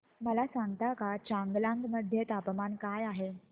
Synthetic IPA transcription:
məlasãŋɡt̪akat͡ɕãŋɡlãŋɡməd̪ʱjet̪apmankajaɦe

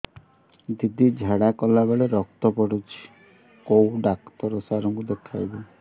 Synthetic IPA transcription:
d̪id̪id͡ʒʱaɽakɔlaβeɭeɾɔkt̪ɔpɔɽut͡ʃʰi̥ | kowɖakt̪ɔɾɔsaɾɔŋkud̪ekʰajbɔ

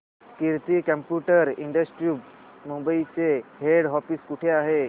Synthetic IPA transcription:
kiɾt̪ikə̃mpjuʈəɾiɳɖəsʈɾjup | mumbəit͡seɦeɽɦɔfiːskuʈʰeaɦe

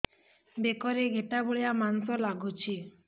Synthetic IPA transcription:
bekɔɾeɡʱeʈaboɭijamansɔlaɡut͡ʃʰi

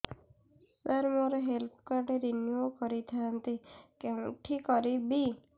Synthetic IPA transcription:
taɾmoɾɔɦelt̪ʰkaɾɖeɾinjukɔɾit̪ʰaant̪ikeũʈʰikɔɾibi

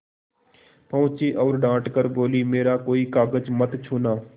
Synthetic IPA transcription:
pəʋt͡ʃiːʔɔːɾɖãːʈkəɾboːliːmeːɾaːkoːiːkaːɡəd͡ʒmət̪t͡ʃʰuːnaː

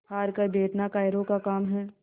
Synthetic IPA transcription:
aːɾkabʱeːʈnakaːɪɾõkakaːmɦɛː

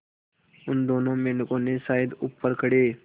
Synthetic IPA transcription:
ʊnd̪oːnõmenkõnesaid̪upːəɾkəɽeː

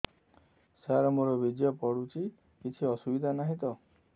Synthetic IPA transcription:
saɾɔmoɾɔbid͡ʒ̪jɔpɔɽut͡ʃʰi | kit͡ʃʰiɔsubid̪ʱanaɦĩt̪ɔ

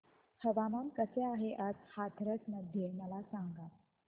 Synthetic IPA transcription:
həʋamamkəseaɦeʔad͡zhat̪ʰɾəsməd̪ʱjeməlasaŋɡat̪

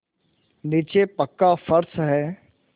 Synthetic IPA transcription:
niːt͡ʃepəkːafəɾsɦɛː

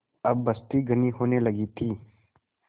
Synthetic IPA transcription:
ɐbːɐst̪iɡəniɦoːnelɐɡit̪ʰiː

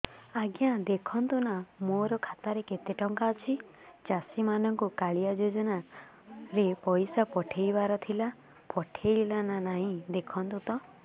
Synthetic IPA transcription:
aɡjãd̪ekʰɔnt̪unamoɾɔkʰat̪aɾeket̪eʈɔŋkaɔt͡ʃʰi | t͡ʃasimanɔŋkukaɭijad͡ʒod͡ʒɔna | ɾepɔjsapɔʈʰejbaɾɔt̪ʰila | pɔʈʰejlananaɦĩd̪ekʰɔnt̪ut̪ɔ

